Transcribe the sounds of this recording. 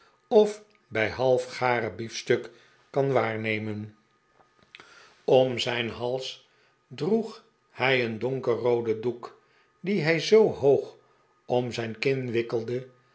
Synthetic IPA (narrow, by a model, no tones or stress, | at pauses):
ɔf | bɛjɦɑlˠfχaːɾəbifstɵk | kɑnʋaːɹnejmən | ɔmzɛjnɦɑlˠs | druχ | hɛjəndɔŋkərowdəduk | diɦɛjzowhowχ | ɔmzɛjnkɪnʋɪkəlˠdə